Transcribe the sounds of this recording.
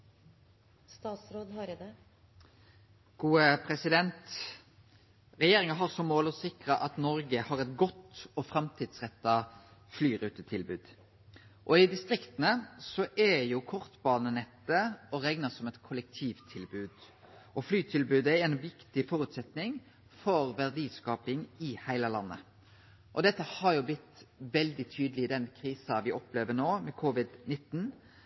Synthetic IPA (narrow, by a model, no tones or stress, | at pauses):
st̪ɑːt̪sɾoːd̪hɑɾd̪ɛ | ɡ̥uːəpʰɾɛsɪd̪ɛnt̪ | ɾɛjeːɾɪŋɑɦɑʁsɔmːoːlɔsɪkɾəʔɑt̪nɔɾɡəhɑʁɛt̪ɡɔt̪ɔfɾɑmt̪ʰiːd̪sʁɛt̪ːɑflyːɾʉːt̪ət̪ʰɪlbʉːd̪ | ʔɔɪd̪ɪst̪ɾɪkt̪ənəsɔʔɛjuːkʰɔʁt̪bɑːnənɛt̪ːəɔɾɛŋnəɑsɔmɛt̪kʰʊlɛk̚t̪ʰiːʋt̪ʰɪlbʉːd̪ | ʔɔflyːt̪ʰɪlbʉːd̪əæɾɛnɔbjɪkt̪ɪfɔɾʉt̪sɛt̪nɪŋ | fɔɾʋæʁd̪iːskɑːpɪŋɪhæɪləlɑnːə̰ | ʔɔd̪ɛt̪ːəhɑɾjʊblɪt̪ːʋɛld̪ɪt̪ʰyːd̪əlɪɪd̪ɛnkʰɾiːsɑʋɪʔɔpleːʋənoːmɛkʰuʋɪd̪nɪt̪ːn̩